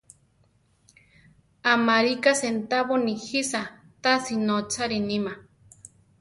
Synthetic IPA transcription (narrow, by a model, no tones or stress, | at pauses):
amaɾikasent̪aβonihisa | t̪asinot͡sʰaɾinima